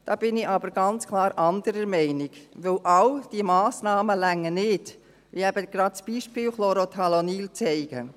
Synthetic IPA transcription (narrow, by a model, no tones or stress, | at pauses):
d̥ɑːb̥ɪnɪɑbəɾɡɑnt͡skʰlɑːɾɑnd̪əɾəɾmɛɪnɪɡ̥ʋɵwʔɑwd̥iəmɑːsnɑːməlæŋːənɪd | ʋiɛb̥əɡ̥ɾɑtsb̥iːʃpɪːwχloɾot̪ʰɑlɔniːlt͡sɛɪɡ̥ə̰